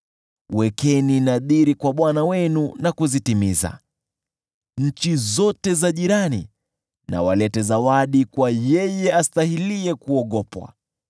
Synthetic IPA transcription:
wɛkɛninaðiɾikwaɓwanawɛnunakuzitimiza̰ | ɲ̩t͡ʃizɔtɛzaʄiɾani | na̰walɛtɛzawaɗikwajɛjɛastahiliɛkuɔɠɔpwa̰

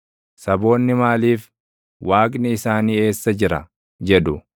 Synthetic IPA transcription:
sɐbo̞ːnːɪmaːliːf | waːkʼnɪɪsaːniːe̞ːsːɐd͡ʒɪɾɐ̰ | d͡ʒɛᶑʊ

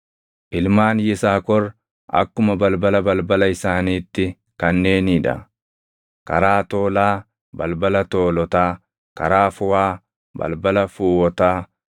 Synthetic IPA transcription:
ʔɪlmaːnjɪsaːkɔr | ʔɐ̰kːʊmɐbɐlbɐlɐbɐlbɐlɐɪsaːniːt̪ːɪ | kɐnːe̞ːniːᶑɐ̰ | kɐ̰ɾaːt̪oːlaː | bɐ̰lbɐlɐt̪oːlɔt̪aː | kɐ̰ɾaːfʊwaː | bɐ̰lbɐlɐfuːwɔt̪aː

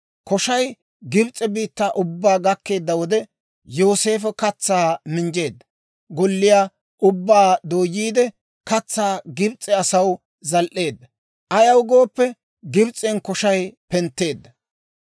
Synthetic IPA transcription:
kɔʃɐj | ɡɪbt͡sʼːɛbiːt̪ːaːʔʊbːaːɡɐkːe̞ːd̪ːɐwɔd̪ɛ | jo̞ːse̞ːfɛkɐt͡sːaːmɪnd͡ʒe̞ːd̪ːɐ̥ | ɡɔlːɪjaː | ʔʊbːaːd̪o̞ːjːiːd̪ɛ | kɐt͡sːaːɡɪbt͡sʼːɛɐsɐw | zɐlʔe̞ːd̪ːɐ | ʔɐjɐwɡo̞ːpːɛ | ɡɪbt͡sʼɛnkɔʃɐjpɛnt̪ːe̞ːd̪ːɐ

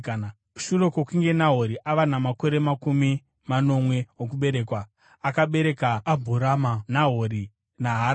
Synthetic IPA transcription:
ʃuro̞kokiŋɡe̞naɦoɾiʔaʋanamako̞ɾe̞makumi | mano̞mwe̞wok̬uɓe̞ɾe̞ːkwa | akaɓe̞ɾe̞kaːbʱuɾamanaɦoɾi | naɦa

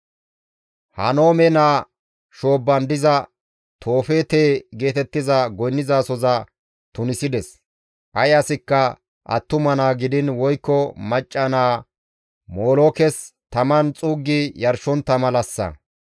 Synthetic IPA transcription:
hɐ̰no̞ːmɛnaː | ʃo̞ːbːɐnd̪ɪzɐ | t̪ʰo̞ːfeːt̪eːɡe̞ːt̪ɛt̪ːɪzɐɡɔjnːɪzaːsɔzɐ | t̪ʊnɪsɪd̪ɛs | ʔɐjɐsɪkːɐ | ʔɐ̰t̪ːʊmɐnaːɡɪd̪ɪnwɔjkːɔmɐt͡ʃʼːɐnaː | mo̞ːloːkɛst̪ɐmɐnt͡sʼuːɡːɪjɐɾʃɔnt̪ːɐmɐlɐsːɐ̰

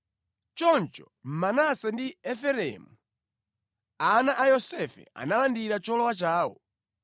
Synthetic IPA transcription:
t͡ʃɔnt͡ʃɔ | m̩manasɛndiɛfɛɾɛ̰mu | anaʔajɔsɛfɛ̰a̰nalandiɾat͡ʃɔlɔwat͡ʃaːwɔ̰

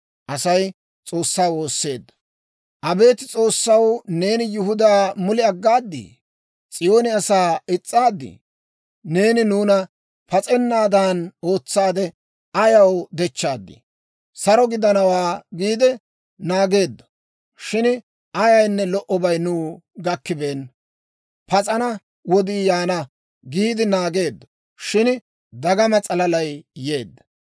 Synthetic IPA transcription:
ʔɐsɐj | t͡sʼo̞ːsːaːwo̞ːsːe̞̰ːd̪ːɐ̥ | ʔɐbe̞ːt̪ɪt͡sʼo̞ːsːɐwne̞ːnɪjɪɦʊd̪aːmʊlɪɐɡːaːd̪ːḭː | t͡sʼɪjo̞ːnɪɐsaːɪt͡sʼːaːd̪ːḭ | ne̞ːnɪnuːnɐ | pɐt͡sʼɛnːaːd̪aːno̞ːt͡sːaːd̪ɛ | ʔɐjɐwd̪ɛt͡ʃːaːd̪ːɪ̰ | sɐɾɔɡɪd̪ɐnɐwaːɡiːd̪ɛ | naːɡe̞ːd̪ːɐ̥ | ʃɪn | ɐjɐjnːɛlɔʔɔbɐjnuː | ɡɐkːɪbeːn | pɐt͡sʼɐnɐ | wɔd̪iːjaːnɐ | ɡiːd̪ɪnaːɡe̞ːd̪ːɔ̥ | ʃɪn | d̪ɐɡɐmɐt͡sʼɐlɐlɐjje̞ːd̪ːɐ̥

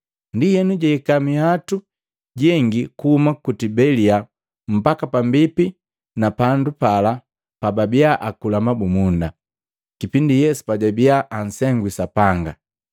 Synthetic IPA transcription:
ndijɛnuɟɛikamihatu | ɟɛŋɡikuhumakutibɛlia | m̩bakapambipi | napandupala | pababiaʔakulamabumunda | kipindijɛsu̥paɟabiaʔansɛŋɡwisapaŋɡa

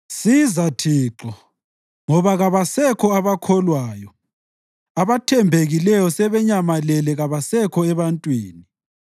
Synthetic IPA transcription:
sizatʰiːǁɔ | ŋɔβaɣaβasɛkʰɔaβakʰɔlwaːjɔ | aβatʰɛmbʱeɣilɛjɔsɛβɛɲamalɛlɛɣaβasɛkʰɔɛβantʼwiːni

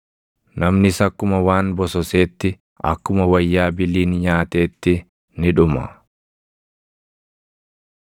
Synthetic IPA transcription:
nɐmnɪsɐkːʊmɐwaːnbɔsɔseːt̪ːɪ | ɐ̰kːʊmɐwɐjːaːbɪliːnɲaːt̪e̞ːt̪ːɪ | nɪᶑʊmɐ̰

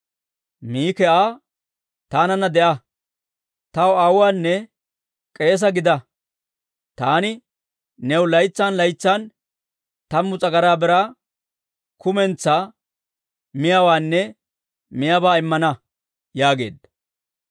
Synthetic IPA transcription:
miːkɛʔaː | t̪aːnɐnːɐd̪ɛʔɐ | t̪ɐwɐwwaːnːɛ | kʼe̞ːs̬ɐɡɪd̪ɐ | t̪aːnɪ | nɛwlɐjt͡sːaːnlɐjt͡sːaːn | t̪ɐmːʊt͡sʼɐɡɐɾaːbɛɾa | kʊmɛnt͡sːaː | mɪjawaːnːɛ | mɪjabaːɪmːɐnɐ | jaːɡe̞̰ːd̪ɐ

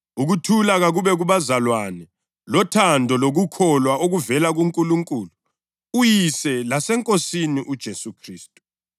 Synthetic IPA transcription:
uɣutʰulaɣaɣuβɛɣuβazalwanɛ | lɔtʰandʱɔloɣukʰɔlwaoɣuvɛlaɣuŋkʼuluŋkʼuːlu | ujisɛlasɛŋkʼosiniʔud̥ʒ̥ʱesukʰriːstʼu̥

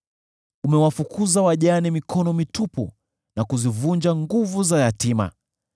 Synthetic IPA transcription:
umɛwafukʰuzawaʄanɛmikʰɔnɔmitupṵ | nakuzivund͡ʒaŋɡuvuzajatima̰

